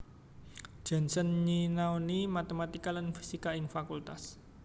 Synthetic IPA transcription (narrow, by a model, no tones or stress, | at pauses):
ʒ̥a̤nsənɲinaonimat̪emat̪ikalanfi̥sikaɪŋfakult̪as